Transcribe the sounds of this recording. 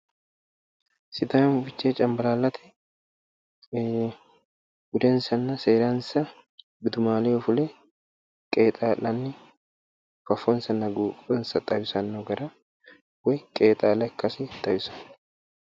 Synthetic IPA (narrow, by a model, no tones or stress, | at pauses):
sɪd̪aːnfɪt͡ʃːeːt͡ʃʼɐmbɐlaːlːɐt̪ʰɛ̥ | ɡʊd̪ɛnsɐnːɐseːɾaːnsɐ | bɪd̪ʊmaːleːʊfʊlɛ | kʼeːt̪ʼaːlɐnːɪ | fɐfɔnsɐnːɐɡuːkʼɛnsɐt̪ʼɐjɪsɐnːoɡɐɾɐ | wɛjkʼeːt̪ʼaːlɐkːɐsɪt̪ʼɐjɪsɐ̥n